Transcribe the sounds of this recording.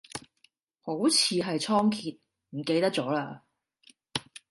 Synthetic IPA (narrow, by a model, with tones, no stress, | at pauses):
ho˨˥wt͡sʰiː˨˧ɦɐ˨jt͡sʰɔː˥ŋkʰiː˨t̚ | m̩˨˩ke˧jt̪ɐ˥k̚t͡sɔː˨˥laː˧